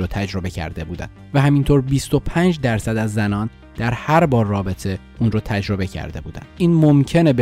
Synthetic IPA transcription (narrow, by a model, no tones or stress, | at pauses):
oːt̪ʰæd͡ʒɾo̞be̞cʰæ̰ɾd̪e̞buːd̪æ̰nd̪̥væɦæmint̪ʰoːɾbist̪o̞pʰæːnd͡ʒd̪æɾsæd̪æzːænɒːn | d̪̥æɾhæɾbɒːɾːɒːbe̞t̪ʰe̞ʔuːnɾoːt̪ʰæd͡ʒɾo̞be̞cʰæ̰ɾd̪e̞buːd̪æ̰n̥ʔiːnmomcʰe̞neb